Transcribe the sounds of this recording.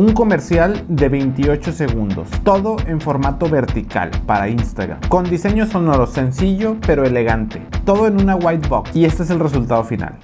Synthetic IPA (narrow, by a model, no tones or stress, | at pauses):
uŋko̞me̞ɾsjald̪e̞βe̞jnt̪io̞t͡ʃo̞se̞ɣund̪o̞̰st̪o̞ðo̞ʔe̞ɱfo̞ɾmat̪o̞βe̞ɾt̪ika̰lpaɾa̰inst̪a̰ɣɾa̰mko̞nd̪ise̞ɲo̞so̞no̞ɾo̞se̞nsiʝo̞pe̞ɾo̞e̞le̞ɣant̪e̞t̪o̞ðo̞enũnaɣwajt̪bokie̞st̪ee̞s̬elre̞sult̪aðo̞fina̰l